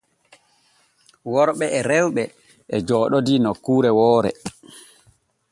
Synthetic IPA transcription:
wɔɾɓɛɛɾɛwɓɛ | ʔɛd͡ʒɔːɗɔdinɔkuːɾɛwɔːɾɛ̰

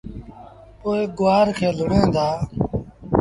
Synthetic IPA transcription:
poːeːɡʊʋaːɾkʰeːlʊɳẽːd̪aː

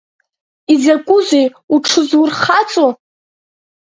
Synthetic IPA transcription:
izakʷʼʊzʷej | uʈ͡ʂʰɨzurχat͡sʼo

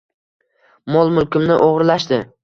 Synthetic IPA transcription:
mɒlˠmʊlkʲɪmnɪʔoʁɾlaʃd̪ɪ

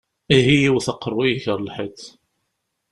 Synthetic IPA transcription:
iɦijiwθɑqːəɾˤwijiçəɾˤlħət̪

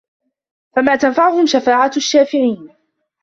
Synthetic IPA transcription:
famaːt̪anfaʕʊhʊmʃafaːʕaaʃːaːfɪʕiːn

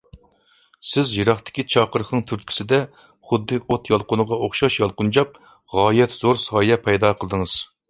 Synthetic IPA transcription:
sɪzjɨɾɑχt̪ʰɪ̥kʲit͡ʃʰɑːqəɾəχnɨŋt̪ʰyɾt̪kʲʰi̥sɪd̪ɛ | χʊd̪ːɨʔot̪jɑlˠqʊnəʁɑoχʃɑʃjɑlˠqʊnd͡ʒɑp̚ | ʁɑːjɛt̪z̥oɾsɑːjɛpʰɛjd̪ɑqʰəlˠɨd̪ɨŋɨz̥

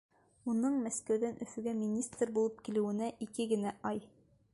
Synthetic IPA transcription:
unɤɴmæskæwðænʔɵ̆θɵ̆ɡæmʲinʲist̪rbulˠɤp̚kilɘ̆wɘ̆næʔikɘɡɘ̆næʔɑj

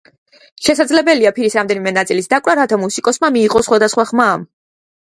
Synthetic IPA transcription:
ʃɛsad̪zlɛbɛliapʰiɾisɾamd̪ɛnimɛnat̪sʼilisd̪akʼwɾaɾat̪ʰamusikʼɔsmamiːqʼɔsχwad̪asχwaχmaːm

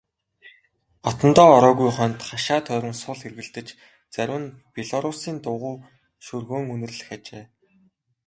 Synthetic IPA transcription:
ɔt̪ɞ̆nt̪ɔːɾɔːɣujχœnt̪χaʃaːt̪ʰœːɾʲɞ̆nsʊɮxerɣɘ̆ɮt̪ɘ̆t͡ɕ | t͡sæɾʲwɘ̆npʲeɮɔɾʊsiːnt̪ʊʁʊː | ʃɵrɣoːŋɵnɵ̆rɮɘ̆xat͡ɕeː

